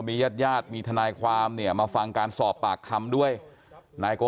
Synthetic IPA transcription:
miː˧jaː˥˩t̪̚jaː˥˩t̪̚miː˧t̪ʰa˧naː˧jkʰwaː˧mni˥˩ɐmaː˧fa˧ŋkaː˧nsɔː˨˩pːaː˨˩kʰːa˧mdu˥˩əj | naː˧jkoː˧

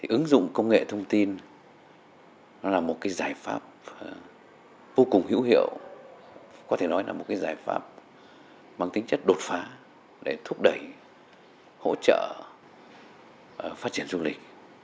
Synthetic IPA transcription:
t̪ʰi˨˩ʔɨ˨˦ŋzʊ̰˧˨ŋ͡mkə˧wŋ͡mŋḛ˧˨t̪ʰə˧wŋ͡mt̪i˧n | nɔ˨˦laː˨˩mo˨˩t̚kaː˨˦jzaː˧˩jfa̰ː˦˥p̚ | vo˧kʊ˨˩ŋ͡mhḭ˧˥whḭ˧˨əw | kɔ˨˦t̪ʰe˧˩nɔ˨˦jlaː˨˩mo˨˩t̚kaː˨˦jzaː˧˩jfa̰ː˦˥p̚ | maː˧ŋt̪ï˨˦ŋ̟t͡ɕə˦˥t̚ɗo˨˩t̚faː˨˦ | ɗe˧˩t̪ʰu˦˥ək̚ɗə˧˩j | ho̰˧˥t͡ɕə̰ː˧˨ | faː˦˥t̚t͡ɕi˧˩ənzu˧lï˨˩k̟̚

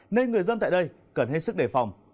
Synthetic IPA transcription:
ne˧nŋɨ˨˩əjzə˧nt̪a̰ː˧˨jɗə˧j | kə˧˩nhe˦˥t̚sɨ˦˥k̚ɗe˧˩fa˨˩wŋ͡m

